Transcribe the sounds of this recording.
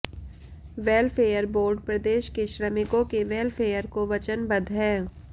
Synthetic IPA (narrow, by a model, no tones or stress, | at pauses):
ʋeːlfʰeːjəɾboːɾɖpɾɐd̪eːʃkeʃɾəmɪkõkeʋeːlfʰeːjəɾkoʋɐt͡ʃənbɐ̃d̪ʱɦɛː